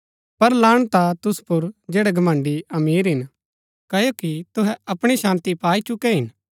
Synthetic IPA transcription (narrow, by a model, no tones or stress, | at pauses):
pɐɾlaːɽ̃t̪at̪ʊspʊɾd͡ʒɛːɽɛɡɐmãɳɖiɐmiːɾɦɪn | kɐjokit̪ʊɦɛɐpɽ̃iʃãːnt̪ipaːit͡ʃʊkɛɦɪn